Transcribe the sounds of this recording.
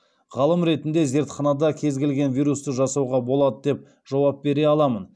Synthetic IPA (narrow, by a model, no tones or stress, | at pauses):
ʁɑlˠəmɾe̞t̪ɪnd̪e̞ze̞ɾt̪χɑnɑd̪ɑkʲʰe̞zɡʲelɡʲe̞nvijɾust̪əʒɑsɑwʁɑbo̞lˠɑd̪əd̪e̞p̚ | ʒ̥ɑwɑp̚be̞ɾe̞ɑlˠɑmən